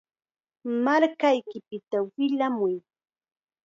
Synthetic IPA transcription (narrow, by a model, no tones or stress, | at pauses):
maɾkajkɪpɪt̪awɪʎamʊj